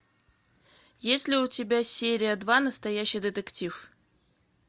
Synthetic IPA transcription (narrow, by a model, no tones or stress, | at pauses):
jesʲlʲɪʊtʲɪbʲasʲeɾʲɪjəd̪vanəst̪ɐjæɕːɪjd̪ət̪əktʲif